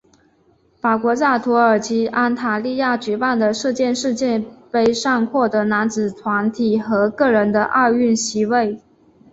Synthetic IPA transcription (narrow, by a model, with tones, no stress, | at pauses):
fa˨˩kwɔ˧˥t͡sa˥˩t̪ʰu˧˥ə˞˨˩t͡ɕi˧˥ʔa˥nt̪ʰa˧˥li˥˧ja˥˩t͡ɕɛ˧˥pa˥˩nd̪ə˩ʂ̩˥˧t͡ɕjɛ˥˧nʂɻ̩˥˧t͡ɕjɛ˥˧npe˥˧ɪʂɑ˥˧ŋxwɔ˥˩t̪ɤ˧˥na˧˥nt͡sɹ̩˨˩t̪ʰwa˧˥nt̪ʰi˨˩xɤ˧˥kɤ˥˩ɻə˧˥nd̪ə˧ʔɑ˥˧ʊy˥˩nɕi˧˥we˥˩ɪ